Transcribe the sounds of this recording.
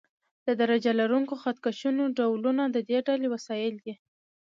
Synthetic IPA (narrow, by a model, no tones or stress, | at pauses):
d̪̥əd̪aɾad͡ʒalaɾuŋkoxat̪̚kaʃunoɖawlunad̪əd̪eɖalewasɑjɪld̪i